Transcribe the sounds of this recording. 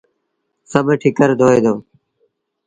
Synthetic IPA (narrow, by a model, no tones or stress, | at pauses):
səbeʈʰɪkəɾd̪ʱoːeːd̪oː